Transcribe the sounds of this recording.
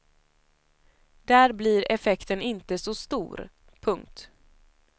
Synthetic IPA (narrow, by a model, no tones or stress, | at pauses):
d̪̥æːɾbliɾɛfɛkt̪ənɪnt̪əsɔst̪ṵːɾ | pʰɵŋk̚t̪